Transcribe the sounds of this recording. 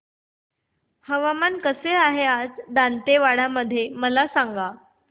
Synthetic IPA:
həʋamankəseaɦead͡zd̪ant̪eʋaɽaməd̪ʱːjeməlasaŋɡa

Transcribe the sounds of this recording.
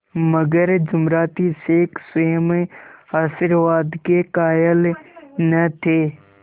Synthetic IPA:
məɡəɾd͡ʒʊmɾaːt̪iseːksʊmehaːsɪɾʋaːd̪kekaːjəlnət̪ʰeː

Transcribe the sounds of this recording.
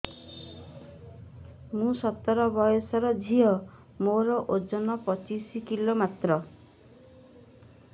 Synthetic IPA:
mũsɔt̪ːɔɾɔbɔjɔsɔɾɔd͡ʒʱiɔ | moɾɔʔod͡ʒɔnɔpɔt͡ʃisikilomat̪ɾɔ

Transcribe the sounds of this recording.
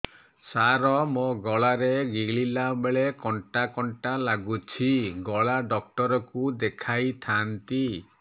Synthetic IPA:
saɾɔmoɡɔɭaɾeɡiɡɭilabeɭekɔɳʈakɔɳʈalaɡut͡ʃʰiɡɔɭaɖɔk̚ʈɔɾɔkud̪ekʰajt̪ʰant̪i

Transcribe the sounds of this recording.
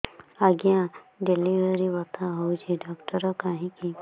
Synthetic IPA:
aɡijã | ɖelibeɾibɔt̪ʰaɦɔwt͡ʃʰiɖɔkʈɔɾɔkaɦĩki

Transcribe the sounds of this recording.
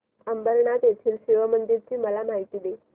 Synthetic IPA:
əmbəɾɳat̪jet̪ʰiːlɕiʋəmənd̪iɾt͡ɕiːməlamaɦit̪iːd̪e

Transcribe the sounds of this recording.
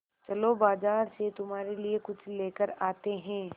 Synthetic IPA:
t͡ʃɐlobaːzaːɾset̪ʊmɦaːɾeliekʊt͡ʃʰleːkəɾaːt̪eɦɛ̃ː

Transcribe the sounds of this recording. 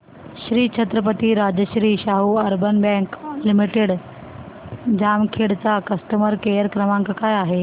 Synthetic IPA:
ɕɾiːt͡ʃʰət̪ɾəpət̪iɾad͡ʑəɕɾiːɕaɦuəɾbənbɛ̃klimiʈeɽ | d͡ʑamkʰeɽt͡sakəst̪əməɾkejəɾkɾəmãŋkkajaɦe

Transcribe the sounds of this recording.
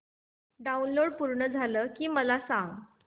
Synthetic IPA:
ɖaunloɽpuɾɳəd͡zʱaləːkiːməlasãŋɡ

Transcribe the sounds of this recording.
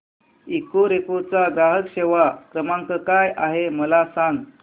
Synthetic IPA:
ikoɾekot͡saɡɾaɦəkɕeʋakɾəmãŋkəkajʔaɦeməlasaŋɡ

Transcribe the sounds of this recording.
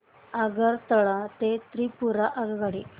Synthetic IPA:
aɡəɾt̪əɭat̪et̪ɾiːpuɾaʔaɡɡaɽi

